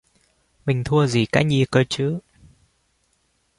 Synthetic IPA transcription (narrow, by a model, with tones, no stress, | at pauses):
mï˨˩ŋ̟t̪ʰu˧əzi˨˩ka̰ː˧˦˥jɲi˧˩kəː˧t͡ɕɨ̰˧˥